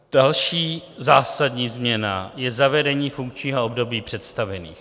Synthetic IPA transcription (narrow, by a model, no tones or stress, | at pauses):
d̥alʃiːzaːsadɲiːzmɲɛna̰jɛzavɛdɛɲiːfuŋkt͡ʃɲiːɦoobdo̞biːpr̝̥ɛt̪st̪avɛnḭːx